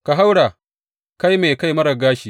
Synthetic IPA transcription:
ka˨ɦa˦wɽaː˨ | ka˦jme˨ka˦jmɐ˦ɽɐ˨ɡaː˦ʃiː˨

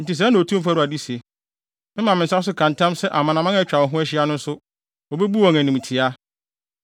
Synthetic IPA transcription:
n̩˨tɪ˨s̬ɛ˨˦nã˨o˨tʰũ˦m˦fɾu˨a˨di˦si˨e˨ | mɪ̃˦mã˨mɪ̃˨n̩˨sa˦s̬ʊ˦kʰã˨ntʰã˦msɛ˦ʔa˨mã˨nã˨mã˦ɛ˦t͡ɕᶣa˨wɔ˨ɦʊ̃˦æ˦ɕɪ˦a˦nʊ̃˦n̩˦sʊ˦ | ɔ˨bɛ˦bu˦ɔ˨n˨æ˨nĩ˨m˨tʰɪ˨a˦

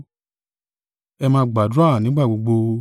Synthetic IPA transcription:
ɛ˧mãː˧˦ɡ͡ba˨da˦˨nĩ˨˦ɡ͡ba˦˨ɡ͡bo˧ɡ͡bo˧

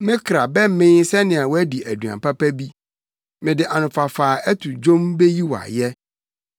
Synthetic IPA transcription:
mɪ̃˦kʰɾa˨bɛ˦m̩˦mɪ̃˦sɛ˦nɪ̃˨a˨wɔ˦æ˦di˨ʔæ˨du˨a̰˨pʰa˦pæ˦bi˦ | mɪ̃˨dɪ˨ʔa˨nʊ̃˨fa˨faː˨æ˦tʰʊ˨d͡ʒõ˦mbe˦ji˦wa̰˨jɛ˦

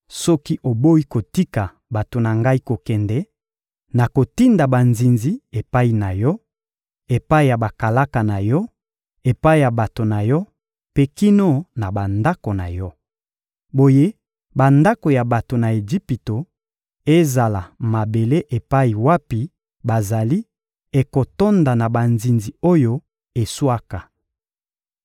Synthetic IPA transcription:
sɔ˦ki˦ʔo˨bo˦i˦ko˨ti˦ka˨ | ba˨to˨na˨ŋɡa˦i˦ko˨kɛ˨ndɛ˦ | na˨ko˨ti˦nda˨ba˨nzi˨nzi˦e˨pa˦i˨na˨jɔ˦ | e˨pa˦i˨ja˨ba˨ka˨la˦ka˨na˨jɔ˦ | e˨pa˦i˦˨ja˨ba˨to˨na˨jɔ˦ | pe˦ki˦no˦na˨ba˨nda˦ko˨na̰˨jɔ˦ | bo˨je˦ | ba˨nda˦ko˨ja˨ba˨to˨na˨e˨d͡ʒi˦pi˨to˨ | e˦za˨la˨ma˨be˨le˦ʔe˨pa˦i˨wa˦pi˨ | ba˨za˨li˦ | e˨ko˨to˦nda˨na˨ba˨nzi˨nzi˨o˦jo˦ | e˨swa˦ka˨

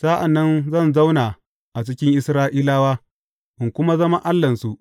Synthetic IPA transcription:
sa˦ʔa˨nːɐ˦nzɐ˦˨nza˦wnaː˨ | ʔa˨t͡ʃɪ˦kʲɪ˦ŋʔɪ˦sɾaː˦ʔiː˦laː˦waː˦ | ʔɪ˨ŋkʷʊ˦ma˦zɐ˦ma˦ʔa˦lːɐ˨nsu˦ʔ

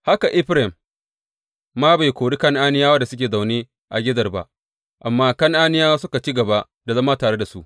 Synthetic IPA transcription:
ha˦ka˨ʔɪ˦ɸɾɛ˨m | aː˦ba˨jkʷoː˨ɽi˦kɐ˦ŋʔaː˦nɪ˦jaː˦wɐ˦da˨sʊ˦k̬ʲeː˨za˨wneː˦ | ʔa˨ɡʲɪ˦zɐ˨rba̰˦ʔ | ʔa˨mːaː˦kɐ˦ŋʔaː˦nɪ˦jaː˦wa˦sʊ˦ka˨t͡ʃiː˦ɡɐ˨ba˦ʔ | da˨zɐ˦maː˦taː˨ɽe˦da˨su˦ʔ

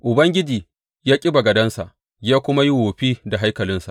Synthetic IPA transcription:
ʔʊ˨bɐ˦ŋɡʲɪ˦d͡ʒiː˨ | jaː˦kʲʼɪ˦ba˨ɡɐ˨dɐ˦nsa˨ʔ | jaː˦kʷʊ˦ma˦ji˦woː˨ɸiː˦da˨ɦa˦jkɐ˨lɪ˦nsa̰˨ʔ

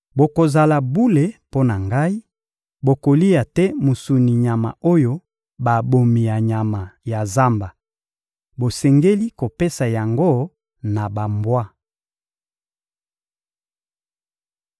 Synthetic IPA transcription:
bo˨ko˨za˨la˨bu˦le˨po˦na˨ŋɡa˦i˦ | bo˨ko˨li˦ja˨tɛ˦mu˨su˨ni˨ɲa˨ma˨o˦jo˦ | ba˨bo˨mi˨ja˨ɲa˨ma˨ja˨za˦mba˨ | bo˨sɛ˨ŋɡe˦li˦ko˨pe˦sa˨ja˨ŋɡo˦ | na˨ba˨mbwa˦

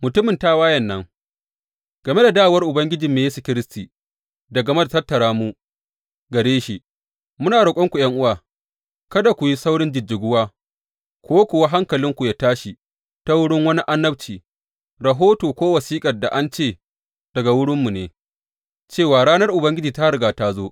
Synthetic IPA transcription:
mʊ˨tʊ˦mɪ˨nta˦waː˦jɐ˨nːɐ˦ŋ | ɡ̥ɐ˨me˦da˨daː˦˨wɐ˦rʔʊ˨bɐ˦ŋɡʲɪ˦d͡ʒi˨mːeː˨jeː˦su˨kʲɪ˦ɾɪ˦stiː˨ | dɐ˨ɡɐ˨me˦da˨tɐ˦tːɐ˨ɽaː˦mu˦ | ɡɐ˨ɽeː˦ʃi˨ | mʊ˦naː˨ɽʊ˨kʷʼɔ˦ŋkʷu˨j̰ɐ˦ŋʔʊ˦waː˨ | kɐ˦da˨kʷʊ˨ji˦sa˦wɽɪ˦nd͡ʒɪ˨d͡ʒːɪ˨ɡʷʊ˦waː˦ | kʷoː˦kʷʊ˨wa˦ɦa˦ŋkɐ˨lɪ˦ŋkʷu˨jaː˦taː˦ʃi˨ | ta˦wʊ˦ɽɪ˦ŋwɐ˦ni˦ʔa˦nːɐ˦b̚t͡ʃiː˨ | ɾɐ˨ɦoː˦toː˨kʷoː˦wɐ˨siː˦kʼɐ˨rda˨ʔa˦nt͡ʃeː˦˨ | d̥ɐ˨ɡa˨wʊ˦ɽɪ˦mːu˨neː˨ | t͡ʃeː˦˨waː˨ɽaː˦nɐ˦rʔʊ˨bɐ˦ŋɡʲɪ˦d͡ʒiː˨ta˦ɾɡaː˨taː˦zoː˦

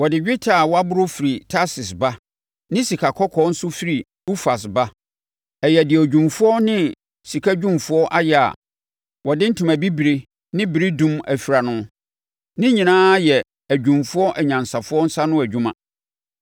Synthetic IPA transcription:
wɔ˨dɪ˨d͡ʑᶣɪ˦tʰa˨wɔ˦a˦bʊ˦ɾʊ˦fi˨ɾi˨tʰa˦sɪ˨sba˦ | nɪ̃˦si˨kʰa˨kʰɔ˦kʰɔ˦n̩˦sʊ˦fi˦ɾi˨ | u˦fa˨sba˦ | ɛ˨jɛ˨dɪ˨æ˨d͡ʑᶣũ˨mfʊ˦ɔ˦nɪ̃˦ | si˨kʰa˦d͡ʑᶣũ˦mfʊ˦ɔ˦ʔa˦jɛ˦a̰˨ | wɔ˨dɪ˦n̩˦tʰũ˨mæ˨bi˦bi˨ɾe˦ | nɪ̃˦bi˨ɾi˦dũ˦mæ˨fi˨ɾa˨nʊ̃˦ | nɪ̃˦ɲĩ˨nãː˦jɛ˨ | æ˨d͡ʑᶣũ˨mfʊ˦ɔ˦ʔɛ˨ɲã˨nsa˨fʊ˦ɔ˦n̩˦sa˦nʊ̃˦æ˨d͡ʑᶣũ˦mã˨

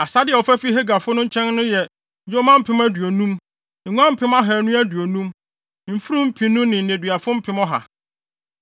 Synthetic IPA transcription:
a˨sa˦dɪ˨ɛ˨ɔ˨fæ˦fi˦ɦe˦ɡa˨fʊ˦nʊ̃˦ɲ̩˦t͡ɕʰɛ̃˦nnʊ̃˦jɛ˨ | jo˦mã˦m̩˦pʰɪ̃˦mæ˦du˨o˨nũ˦m̩˨ | ŋũ˦ã˦m̩˦pʰɪ̃˦ma˦ɦɛ˨˦nũ˦æ˦du˨o˨nũ˦m | m̩˨fu˦ɾũ˦m̩˦pʰĩ˦nʊ̃˦nɪ̃˨n̩˨n˨ẽ˨dɥa˨fʊ̃˦m̩˦pʰɪ̃˦mɔ˦ɦa̰˨

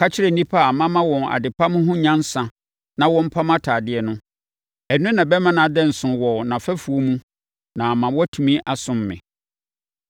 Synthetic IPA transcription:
kʰa˦t͡ɕʰɪ˦ɾɛ˨n̩nĩ˦pʰa˦˨mã˦mã˦wɔ̃˨na̰˨dɪ˨pʰa˦mʊ̃˦ɦʊ̃˦ɲã˦n̩˦sã˨ | nã˦wɔ̃˦m̩˦pʰa˦mã˦tʰaː˨dɪ˦ɛ˨nʊ̃˦ | ɛ˨nʊ̃˦nã˨bɛ˦mã˦nã˨dɛ˦n̩˨sʊ̃˨wɔ˨nã˨fɛ˦fu˨o˦mũ˦ | nã˨mã˨wɔ˦tʰũ˨mĩ˦ʔa˨sʊ̃˦˨mːɪ̰̃˨

